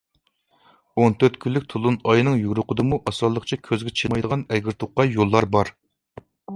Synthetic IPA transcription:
ont̪ʰøɾt̪kʲʰylːɪk̚ʲt̪ʰulˠunɑjnɨŋjyɡɾʊqʰəd̪ɨmuʔɑsɑlˠːəqt͡ʃʰɛkʲʰøzɡʲɛt͡ʃʰemɑjd̪əʁɑnɛɡʲiɾt̪ʰuqːɑjolˠːɑɾbɑɾ

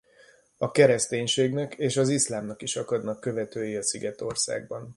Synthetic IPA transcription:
ɒkɛɾɛst̪eːɲʃeːɡnɛkeːʃɒzislaːmnɒkiʃɒkɒd̪nɒkːø̞vɛt̪øːjeɒsiɡɛt̪o̞rsa̰ːɡ̚bɒn

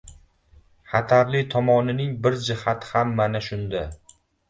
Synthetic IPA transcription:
χat̪ʰaɾlɪt̪ʰɒmɒnɪnɪŋbɪɾd͡ʒɪhat̪hamːanaʃʊnd̪a

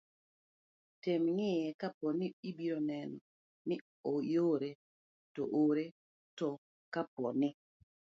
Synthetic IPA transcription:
temŋɪjɛkapɔniibiɾonɛnɔ | mɪ | ojoɾe | tɔ̰ʔoɾe | tɔ | kapɔnɪ

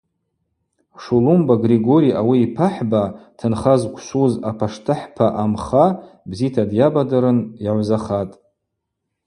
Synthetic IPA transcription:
ʂulumbaɡriɡoɾijʔawiːpʰaħbatʰɨnχazkʷʰʃuzapʰaʂtʰɨħpʰaʔamχabzitʰadjabadaɾɨnjaʕʷzaχatʼ

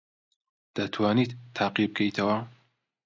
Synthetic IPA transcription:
d̪̥ɐt̪ʰwaːnit̪ːʰaːqib̚ɡejt̪ʰɐwɐ

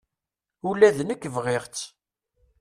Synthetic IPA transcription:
ulæðnəkːəvʁɪʁt͡sː

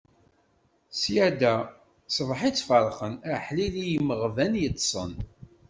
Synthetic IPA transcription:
sjæd̪æ | sˤvħit͡sːfəɾˤχənæħlilijəmːəʁvænjət̪ˤːsˤə̰n

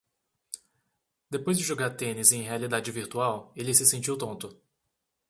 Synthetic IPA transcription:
d̪epojzd͡ʒɪʒoɡaɾt̪ẽnɪzẽj̃ɦealid̪ad͡ʒɪviɾt̪uawelɪsɪsẽnt͡ʃiwt̪õnt̪ʊ

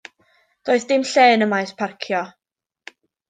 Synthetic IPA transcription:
d̥oːɨðdɪmɬeːnəmajspʰarkʰjɔ

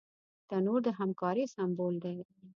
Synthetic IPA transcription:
t̪anoɾd̪əɦamkɑɾisambold̪e

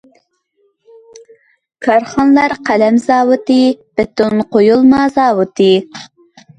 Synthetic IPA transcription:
kʰɑɾχɑnlˠɑɾqʰælɛmzɑːwɨt̪ɨb̥ɪt̪unqojulˠmɑzɑːwɨt̪ʰɨ

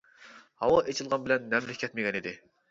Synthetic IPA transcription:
hɑwɑʔet͡ʃʰilˠʁɑnbɪlɛnːɛmlɪkʲʰːɛt̪mɪɡʲɛnid̪ɪ

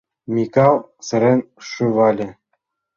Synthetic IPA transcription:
mʲikɑlˠ | sɘ̆ɾʲenʲ | ʂuʋɑlʲɘ̆

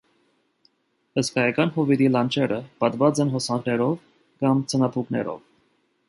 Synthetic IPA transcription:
əskɑjɑkɑnɦɔvid̪ilɑnt͡ʃʰɛɾəpɑt̪vɑt͡sɛnɦɔsɑŋknɛɾɔv | kɑmt͡sʰənɑt̪ʰuknɛ̰ɾɔ̰v

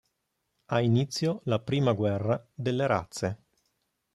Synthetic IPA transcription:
ainit̪sːjolapɾiːmaɡwɛrːad̪elːeɾa̰t̪sːe

